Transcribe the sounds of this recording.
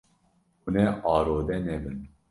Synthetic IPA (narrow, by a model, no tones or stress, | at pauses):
unɛʔɑːɾoːd̪ɛnɛbɨn